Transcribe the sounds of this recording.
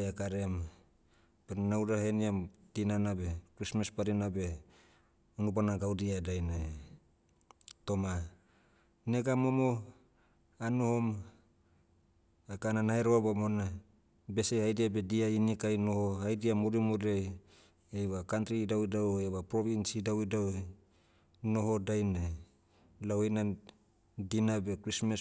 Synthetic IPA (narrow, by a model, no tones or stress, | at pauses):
jakaɾem | pennawdaheniatinanabekɾismaspaɾinabe | unup̬anaɡawdiadajna | toma | neɡamomo | anohom | akananaeɾoabomona | besehajdiabediainikajnohohajdiamoɾimoɾiaj | ejβakant̪ɾidawidaweβapɾoβinsidawidaw | noɦodajne | lawejna | dinabekɾismas